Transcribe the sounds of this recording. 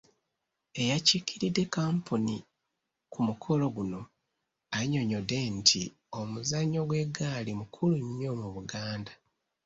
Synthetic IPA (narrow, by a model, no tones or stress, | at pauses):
e̞jacikiɾidːe̞kaːmpʰoni | kʰumukʰo̞lo̞ɡuno̞ | aɲo̞ɲo̞de̞ntʰi | o̞muzaɲːo̞ɡwe̞ɡalimukʰuluɲɲo̞muβuɡaːnda